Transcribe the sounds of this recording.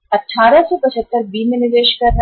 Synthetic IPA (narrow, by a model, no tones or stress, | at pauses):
ɐʈʰːaːɾəsepɐt͡ʃʰət̪ːəɾbiːmenɪɾeːʃkɐɾn